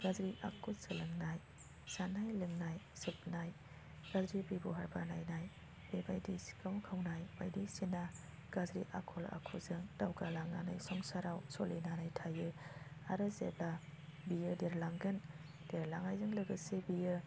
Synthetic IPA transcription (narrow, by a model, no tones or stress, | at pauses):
ɡ̥azɾiʔa̰kusɯlɯŋnaj | sanajlɯŋnajsɯp̚naj | ɡ̥azɾibibuɦaɾbanajnaj | b̥ebajdisi̥kawkʰawnajbajdisina | ɡ̥azɾiʔa̰kʰɔla̰kʰɔzɯŋd̥awɡalaŋana̰jsɔŋsaɾawsɔlinanajtʰajɯaɾɯzḛbabijɯdeɾlaŋɡɯn | deɾlaŋajzɯŋlɯɡɯsebijɯ